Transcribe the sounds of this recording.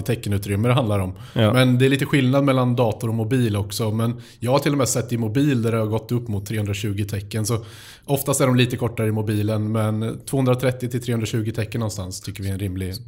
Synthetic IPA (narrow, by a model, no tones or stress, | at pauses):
t̪ʰɛkːənʉ̟ːt̪ɾʏmːəd̪ɛɦand̪aɾɔm | mɛnd̪ɛɛɾɭiːt̪əɧɪlnad̪mɛlːand̪ɑːt̪ʊɾɔmʊbiːlɔksɔmɛnjɑːɡhaʈʰɪlːɔmɛsɛt̪ːɪmʊbiːld̪æɖɛhaɾɡɔt̪ːɵpːmʊt̪ʰːɾeːhɵnd̪ɾaɕʉ̟ːɡɪt̪ʰɛkːənsɔ | ʔɔft̪ast̪æɖɔmliːt̪əkʰɔʈːaɾəɪmʊbiːlənmɛnt̪ʰvoːhɵnd̪ɾat̪ʰɾɛt̪ːɪt̪ʰɪlt̪ʰɾeːɵnɾaɕʉ̟ːɡɪt̪ʰɛkːənːɔnst̪a̰nst̪ʰʏkːəɾvɪɛnɾɪmlɪ